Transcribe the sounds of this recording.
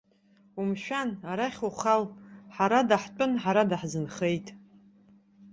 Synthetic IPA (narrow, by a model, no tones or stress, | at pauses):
umʃᶣanaɾaχʲuχalħaɾadaħt͡pʷʼʊnħaɾadaħzɨnχe̞jtʼ